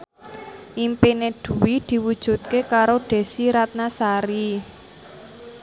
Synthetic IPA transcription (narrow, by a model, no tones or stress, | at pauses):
ʔimpineɖ̪̥ṳwid̪̥i̤wud̥ʒ̥ṳt̪̚kekaɾoɖ̪̥e̤siɾat̪̚nasaɾi